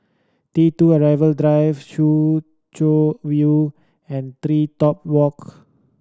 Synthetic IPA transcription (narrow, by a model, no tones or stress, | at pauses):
tituəɹajvəldɹajfʃu | t͡ʃovju | ɛ̃nt̪ɾitɔp̚wɔk